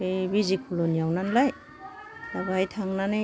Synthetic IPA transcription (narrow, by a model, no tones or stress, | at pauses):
ebizikʰulonijawnanlaj | labajtʰaŋnanɯ